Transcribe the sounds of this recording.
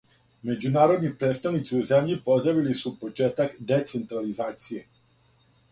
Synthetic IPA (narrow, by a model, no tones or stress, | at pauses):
med͡ʒunaːɾod̪nipɾet̪st̪aʋnit̪siuzemʎipozɾaʋilisupot͡ʃeːt̪akd̪et̪sent̪ɾalizaːt̪sije